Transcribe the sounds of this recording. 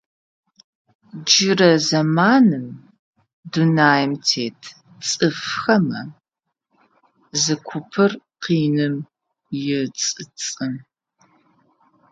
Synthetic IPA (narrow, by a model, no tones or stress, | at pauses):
d͡ʒɪrɐzɐmaːnɨm | dunaːjɪmtʰeːtʰ | t͡sʼɨfxɐmɐ | zɨkʷʰʊpʰɨrqiːnɨm | jɪt͡sʼɨt͡sʼɨm